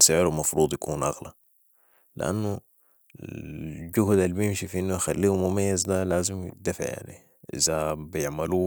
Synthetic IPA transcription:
saʕɪɾumɑfɾuːd̪ˤjakʰuːnʔɑ̰ɣla | lɪ̰ʔa̰nːu | ɟuhd̪alːibijɪmʃifʔinːujxalːiːhumʊmajːazd̪alaːzimj̰d̪afʕja̰ʕnḭ | ʔɪ̰zabijɪʕmaluː

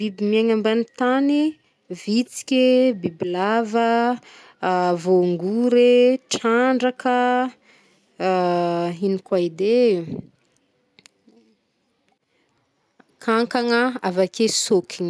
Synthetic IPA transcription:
b̥ibimiaŋambanit̪ani | vit͡si̥kʲebibilavə | voŋɡuɾeʈ͡ʂaɳɖ͡ʐakə | inikwaid̪e | kʰaŋkaŋəavakesokʲiŋ

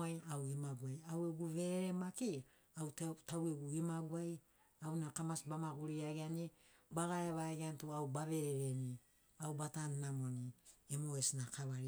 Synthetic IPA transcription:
jawimaɡuajaweɡuβe̞ɾeɾemaki | awttaweɡuimaɡuaj | awnakamasbamaɡuɾiaɡeani | baɡaɾeβaɡeantuawbaβe̞ɾeɾe̞ni | awbatannamo̞niemoesinakaβaɾi

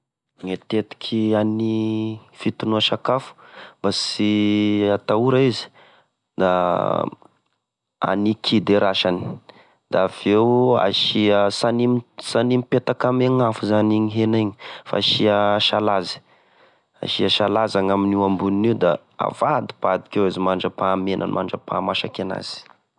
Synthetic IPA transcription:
ŋet̪et̪i̥kʲʰianifit̪unuaʃakafu̥mbasiat̪auɾaizi̥ | d̪a | a̰nikʰid̪eɾaʃani̥ | d̪aːv̥ewa̰ʃiəsanimsanimipet̪akameŋafuzaniɲiɦeniɲifa̰ʃiəʃalazi̥ | a̰ʃiəʃalazaŋaminiambuniniwd̪a̰ | a̰v̥ad̪i̥pad̪ikʲewezimaɳɖ͡ʐəpaːmenʔə̰nma̰ɳɖ͡ʐəpa̰maʃakana̰z̥i̥

